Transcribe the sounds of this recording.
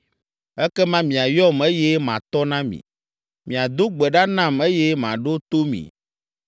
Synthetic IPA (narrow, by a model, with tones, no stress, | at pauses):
ɛ˦kɛ˦mã˦mĩ˨a˨jɔ˦me˦jɛ˦mã̰˨t̪ɔ˦nã˦mḭ̃˨ | mĩ˨a˨d̪o˦ɡ͡bɛ˨ɖa˦nã˦˨me˦jɛ˦mã˨ɖo˦t̪o˦mḭ̃˨